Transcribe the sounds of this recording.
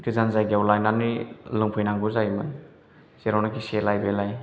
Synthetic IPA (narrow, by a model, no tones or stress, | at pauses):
kizanzajɡiawlajnanilɯŋpʰujnaŋɡuzajmɯn | seɾawnakʰiselajbelaj